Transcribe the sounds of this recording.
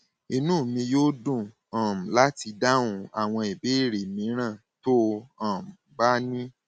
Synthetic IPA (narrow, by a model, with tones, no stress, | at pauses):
i˧nũ˦˨mĩ˧joː˦dũ˦˨ | ã˨m˨la˦ti˧da˦ũ˧a˨w̃ɔ̃˧i˨be˨˦i˦˨ɾe˨mĩ˨˦ɾ̃ã˦˨ | to˦ã˨m̩˨ba˦nĩ˦